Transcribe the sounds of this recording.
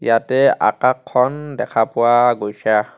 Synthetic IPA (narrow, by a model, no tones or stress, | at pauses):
jatɛa̰kakʰːɔndɛkʰapʊwaɡojsʰa